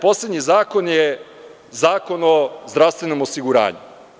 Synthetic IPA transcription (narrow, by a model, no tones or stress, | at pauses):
po̞sled̪ɲizaːko̞nje | zaːko̞nozd̪ɾaʋst̪ʋe̞no̞mosiɡuɾa̰ːɲṵ